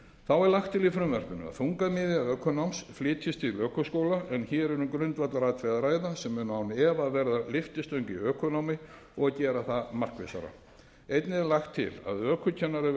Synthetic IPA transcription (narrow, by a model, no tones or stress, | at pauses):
θawɛɾlaxt̪ʰːɪlifɾʏmvɛr̥pʏnʏ̰a̰θuŋkamɪːðjaœːkʰʏnowmsflɪːt̪ʰɪst̪ʰɪlœːkʏskoːwlaʔɛnçɛːɾɛɾʏmkɾʏnt̪vat̪laɾaːt̪fɾɛjɣðaɾaːjðasɛmːʏnawnɛːvaːðvɛɾðalɪft̪ɪst̪œɥɲcɪœːkɔnowmɪ | ɔɣacɛːɾaθamar̥kvɪ̰sa̰ɾa̰ | ejt̪nɪðɛɾlaxt̪ʰːɪ̰la̰ðœːkʰʏcʰɛnːaɾɪ